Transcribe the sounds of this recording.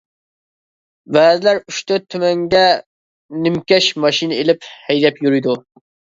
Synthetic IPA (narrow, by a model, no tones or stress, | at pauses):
væːd̪ɪlæɾyʃt̪ɛt̪ʰːymɛŋɡʲɛ | nɪmkʲɛʃmɑʃinɪelɪphɛjd̪ɛpjyɾujd̪u